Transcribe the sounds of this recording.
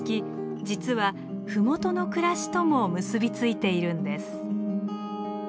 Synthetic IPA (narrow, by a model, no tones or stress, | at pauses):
kʲi | d͡ʑit͡sɨβa | ɸɯ̟mo̞t̪o̞no̞kɯ̟ɾaɕi̥t̪o̞mo̞mɯ̟sɨbʲit͡sɨit̪e̞iɾɯ̟̃nd̪e̞sɨ̥